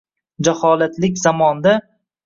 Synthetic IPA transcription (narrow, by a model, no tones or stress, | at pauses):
d͡ʒahɒlat̪ʰlɪkʲzamɒnd̪a